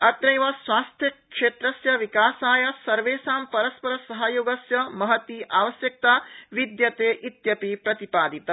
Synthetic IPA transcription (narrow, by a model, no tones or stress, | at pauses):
ɐt̪nɐjʋɐsʋwaːst̪ʰjɐkʂeːt̪ɾɐsjɐʋikaːsaːjɐsɐɾʋeːsaːmpɐɾɐspɐɾɐsɐɦɐjoːɡɐsjɐmɐɦɐt̪iːʔaːʋɐsjɐk̚t̪aːʋid̪jɐt̪eːʔit̪jɐpipɾɐt̪ipaːd̪it̪ɐ